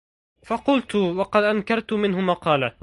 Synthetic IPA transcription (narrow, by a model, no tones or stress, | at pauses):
fɑqʊlt̪ʊwɑqɑd̪ʔankɑɾˤt̪ʊmɪnɦʊmɑqɑːla